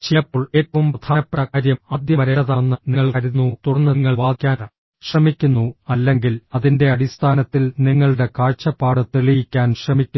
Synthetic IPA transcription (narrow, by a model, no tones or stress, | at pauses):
t͡ɕejɐpːoːɭeːt̚pːɐmpɐd̪ʰaːnɐpːrɐɣaːɾjɐmɐd̪ʱjɐmɐɾeɐðanːɨniŋːɐɭkɐɾunːut̪uɽɐnːɐŋːɐɭʋaːkʲːaːna | ɕrɐmikʲːunːuɐlːe̞ŋɡilɐðinde̞ɐɽist̪ʰaːnɐt̪ːilniŋːɐɭɨɽe̞kaːɻt͡ɕɐpːaːɽɨt̪eɭijikʲːaːnɕrɐmikʲːu